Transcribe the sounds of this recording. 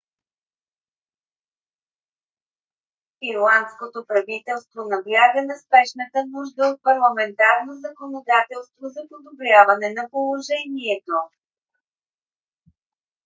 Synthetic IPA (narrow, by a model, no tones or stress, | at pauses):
iɾlˠant̪skot̪opɾɐvit̪ɛlˠst̪vonɐɡlʲjaɡənɐspɛʃnət̪ənuʒd̪əot̪̚pɐɾlˠɐmɛnt̪aɾnozɐkonod̪at̪ɛlˠst̪vozɐpod̪obɾʲjavɐnɛnɐpolˠoʒɛniɛt̪o